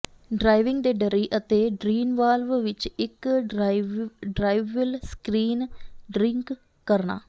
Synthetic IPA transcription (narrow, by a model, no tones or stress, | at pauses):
ɖɾaːɪʋɪ̃ŋɡd̪eːɖəɾiːʔət̪eːɖɾiːnʋaːlʋʋɪt͡ʃɪk | ɖɾaːɪʋəlskɾiːnɖɾɪ̃ŋkː | əɾna̰ː